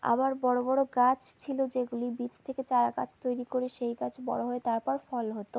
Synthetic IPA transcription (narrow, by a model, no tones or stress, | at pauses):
a̰βaɾbɔɽobɔɽoɡat͡ɕt͡ɕʰilod͡ʑeɡulibit͡ɕʰt̪ʰeket͡ɕaɾaka̰t͡ɕʰt̪ojɾikoɾeʃejɡat͡ɕʰbɔ̰ɽoɦɔet̪aɾpɔɾfɔlɦot̪o